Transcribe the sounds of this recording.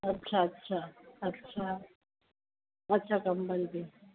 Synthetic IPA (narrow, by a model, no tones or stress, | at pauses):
aɬat͡ʃʰaːt͡ʃʰa | at͡ʃʰakam̩balde